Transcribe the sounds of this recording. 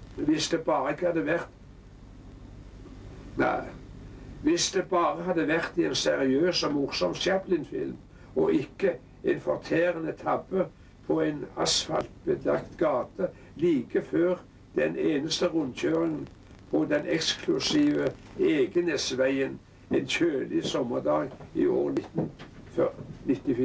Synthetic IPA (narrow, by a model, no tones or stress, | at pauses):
ʋɪsd̪ebɑːʁəɪkːəhɑd̪ːəʋæʁt̪ | næ̰ | ʋɪsd̪ebɑːʁəɦɑd̪ːəʋæʁt̪ɪensɛʁɪøːsɔmʊʁsɔmsjɛplɪnfɪ̰lm | ɔʔɪkːə | ɛnfɔʁt̪ʰeːɾənət̪ʰɑbə | pʰɔæɪnɑ̰sfɑ̰lt̪̚bəd̪ɑ̰kt̪ɡɑːt̪ə | liːkəføːʁ | d̪̥ɛneːnəst̪əʁʊnt̪çøːʁɪŋən | pʰɔd̪ɛnʔɛkskʰlʊsiːʋə | eːɡənesʋæɪən | ɛnçøːlɪsɔmːəʁd̪ɑːɡḭːo̰ːʁnɪt̪n̩fœnɪt̪ːɪfi